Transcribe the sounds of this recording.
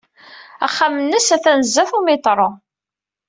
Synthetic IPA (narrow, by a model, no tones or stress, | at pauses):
æ̰χːamənːəsæθænəzːæθumɪt̪ˤɾˤo